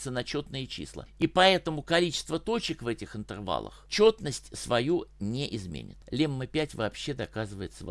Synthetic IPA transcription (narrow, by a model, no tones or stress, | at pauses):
t̪sənɐt͡ɕot̪̚nɨjət͡ɕḭslˠə̰ipɐɛt̪əmʊkɐlʲit͡ɕɪ̥st̪vət̪o̞t͡ɕɪkvɛtʲɪxɨnt̪ɨrva̰lˠə̰xt͡ɕo̞t̪nəsʲtʲsvɐjunʲeʔɪzmʲḛnʲɪ̰t̪lʲemːɨpʲætʲvɐːpɕːe̞d̪ɐkazɨvəjɪt̪səv